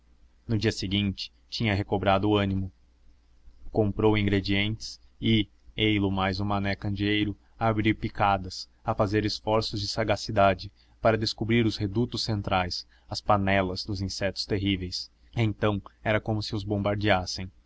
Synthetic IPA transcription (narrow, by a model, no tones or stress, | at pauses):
nʊd͡ʒiɐseɡĩnt͡ʃɪ̥ | t͡ʃĩɲɐɦekobɾad̪ʊɐ̃nimʊ | kõmpɾowĩŋɡɾed͡ʒiẽnt͡ʃɪ̥sɪ | ejlʊmajzʊ̃manɛkɐ̃nd͡ʒiejɾʊ | aːbɾiɾpikad̪ɐs | ɐfazeɾɪsfɔɾsʊzd͡ʒɪsaɡasid̪ad͡ʒɪ | paɾɐd̪eskubɾiɾʊzhed̪ut̪ʊsːẽnt̪ɾajs | ɐspanɛlɐz̥d̪ʊzĩsɛt̪ʊ̥st̪eɦivejs | ẽnt̪ɐ̃w̃ɛɾɐkõmʊsɪʊzbõmbaɾd͡ʒiasẽj̃